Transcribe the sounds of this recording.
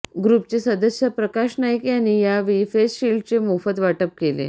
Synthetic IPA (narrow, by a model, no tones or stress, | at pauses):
ɡɾupt͡sesəd̪əsjəpɾəkaɕnajəkjanːiːjaʋifesɕilɖ̚t͡ɕemufət̪ʋaʈəp̚kelḛ